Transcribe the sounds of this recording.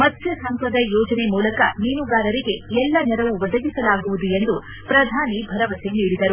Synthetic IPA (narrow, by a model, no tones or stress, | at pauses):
mɐt̪jɐsɐŋpɾɐd̪ɐjɔːd͡ʒɐne̞muːlɐkɐniːnuɡaːɾɐɾiɡe̞ɛlːɐnɛɾɐʋuʋɐd̪ɐɡisɐlaːɡuʋud̪ue̞nd̪u | pɾɐd̪ʱaːnibʱɐɾɐʋɐseniːɽid̪ɐɾu